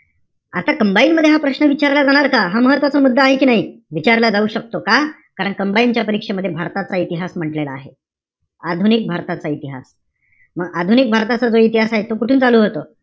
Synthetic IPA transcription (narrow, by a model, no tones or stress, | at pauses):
at̪akəmbainməd̪ʱjeɦapɾəɕnəʋit͡ɕaɾlad͡zaɽ̃aɾkaɦaməɦət̪ːʋat͡səmud̪ʱːəaɦekiːnaɦiʋit͡ɕaɾlad͡zauːɕək̚t̪oka | kaɾəɳkəmbaint͡ɕjapəɾikʂeməd̪ʱjebʱaɾt̪at͡sait̪iɦasm̤əʈlelaːɦe | ad̪ʱunik̚bʱaɾt̪at͡sait̪iɦa̰s | məɡad̪ʱunik̚bʱaɾt̪at͡sad͡zoit̪iɦasaɦet̪ːokuʈʰuːnt͡saluːɦot̪o